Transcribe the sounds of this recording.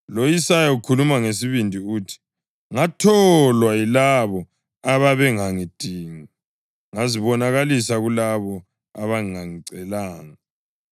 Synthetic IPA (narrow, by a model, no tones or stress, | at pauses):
lojisajaukʰulumaŋes̬iβindʱiuːtʰi̥ | ŋatʰɔlwajilaβɔ | aβaβɛŋaŋid̥ʱiːŋi | ŋaziβɔnaɣalisaɣulaβɔ | a̰βaŋiŋaŋiǀɛlaːŋa